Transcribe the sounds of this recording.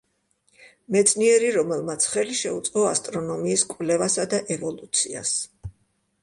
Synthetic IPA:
mɛt̪sʰniɛɾiɾɔmɛlˠmat̪sʰχɛliʃɛut̪sʼqɔast̪ʼɾɔnɔmiːskʼwvlɛvasad̪aʔɛvɔlˠut̪sʰia̰s

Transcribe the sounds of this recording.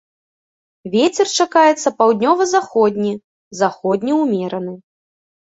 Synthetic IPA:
vʲet͡sʲɛrt͡ʂakajɛt̪sːɐpawd̪ʲnʲɔvɐzaxɔd̪ʲnʲi | zaxɔd̪ʲnʲiwmʲɛɾɐnɨ

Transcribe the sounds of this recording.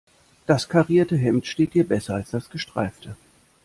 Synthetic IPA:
d̥askʰaʁiːɐtəɦɛmtʃteːt̚hiːɐbɛsɐalsd̥asɡ̥əʃtʁ̥a̰ɪftʰə

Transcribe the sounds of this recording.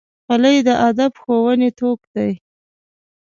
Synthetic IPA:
xaləjd̪əʔad̪abxowənet̪okd̪aj

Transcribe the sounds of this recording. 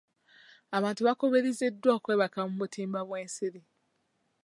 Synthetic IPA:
aβaːntuβako̞βeɾize̞dːwoːkwe̞ːβakamuβutʰiːmbaβwe̞ːnsiɾi

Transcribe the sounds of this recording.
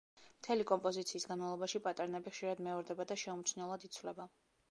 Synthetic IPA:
mt̪ʰɛlikʼɔmpʼɔzit̪sʰiːsɡanmalˠɔbaʃipʼat̪ʼaɾnɛbiχʃiɾad̪mɛɔɾd̪ɛbad̪aʃɛumt̪t͡ʃ̪ʰnɛlˠad̪it̪sʰvlɛba

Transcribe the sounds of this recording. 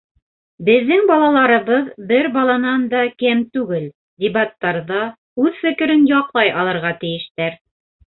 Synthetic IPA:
bɘ̆ðːɘŋbɑlˠɑlˠɑɾɤ̆βɤðbɘɾbɑlˠɑnɑnd̪ɑkɘmt̪ʉɡɘl | d̪ʲebat̪ːɑɾðɑ | ʉðfɘ̆kɘ̆ɾɘnjɑqlˠɑjʔɑlˠɤ̆ɾʁɑt̪ɘ̆jɘ̆ʃt̪æɾ

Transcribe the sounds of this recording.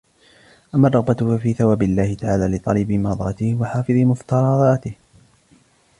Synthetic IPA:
ʔamːɑrˤːɑɣbaʊfafiːθawaːbɪlːaːhɪt̪aʕaːlaːlɪt̪ˤɑlɪbɪmɑd̪ˤɾˤɑt̪ɪhwaħaːfɨðˤmʊft̪ɑɾˤɑðˤɑːt̪ɪh

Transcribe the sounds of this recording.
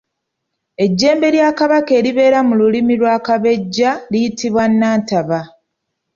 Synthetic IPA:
e̞ɟːe̞ːmbe̞ljaːkaβake̞ːɾiβe̞ːɾamululimilwaːkaβe̞ɟːalijitiβwanːaːntaβa

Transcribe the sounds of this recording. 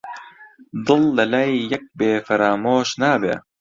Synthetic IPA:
d̪ɨlːɐlɐjːɐk̚beːfɐɾaːmoːʃnaːbḛː

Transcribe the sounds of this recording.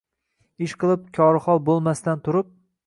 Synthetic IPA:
ɪʃqʰɨlˠɪp̚kʲʰɒɾɨχɒlˠbolˠmast̪ant̪ʰʊɾɪp̚

